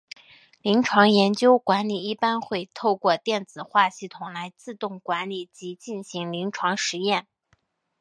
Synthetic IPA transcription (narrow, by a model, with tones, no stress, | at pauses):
li˧˥ŋʈ͡ʂʰwɑ˧˥ŋjɛ˧˥nt͡ɕjo˥ʊkwa˧˥nli˨˩i˥˩pa˥nxwe˥˧ɪt̪ʰo˥˧ʊkwɔ˥˧t̪jɛ˥˩nt͡sɹ̩˨˩xwa˥˧ɕi˥˩t̪ʰʊ˨˩ŋla˧˥ɪt͡sɹ̩˥˧t̪ʊ˥˩ŋkwa˧˥nli˨˩t͡ɕi˧˥t͡ɕi˥˩nɕi˧˥ŋli˧˥ŋʈ͡ʂʰwɑ˧˥ŋʂɻ̩˧˥jɛ˥˩n